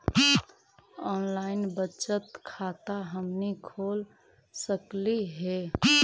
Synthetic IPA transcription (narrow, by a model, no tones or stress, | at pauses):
ɔnlaɪnbət͡ʃət̪kʰat̪aɦəmnikʰol | səkliɦe